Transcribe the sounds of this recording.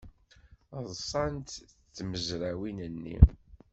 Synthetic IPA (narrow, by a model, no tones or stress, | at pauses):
ðˤsˤɑnt̪t͡sːməzɾæwinənːḭ